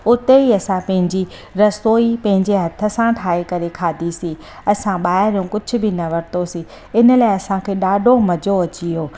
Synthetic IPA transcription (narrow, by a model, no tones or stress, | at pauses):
ʊt̪eiɐsãpɐ̃ɦɪ̃ɲd͡ʑi | ɾɐsoːipɐ̃ɦɪ̃ɲd͡ʑeɦɐt̪ʰə̆sãʈʰaːekɐɾekʰaːd̪ʱisiː | ɐsãɓaːɦɪɾjõkʊd͡ʑʱʊ̆bɪnɐʋɐɾɪt̪osi | ɪnə̆laːɪɐsãkʰeːɗaːɖʱomɐd͡ʑoɐt͡ɕiɦoː